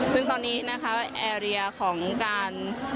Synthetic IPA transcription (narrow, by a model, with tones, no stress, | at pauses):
sɯ˥˩ŋt̪ɔː˧nːiː˦˥na˦˥kʰa˦˥wa˥˩ʔɛː˧ɾi˧ɐkʰɔː˩˦ŋkaː˧n